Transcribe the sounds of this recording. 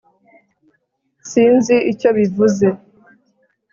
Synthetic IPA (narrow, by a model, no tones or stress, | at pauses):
siːnziʔico̞βivuze̞